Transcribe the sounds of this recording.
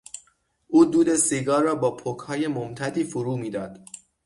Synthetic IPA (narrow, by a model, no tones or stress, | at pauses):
ʔuːd̪uːd̪e̞siɡɒːrːɒːbɒːpʰokʰhɒːje̞momt̪ʰæd̪iːfoɾuːmiːd̪ɒːd̪̥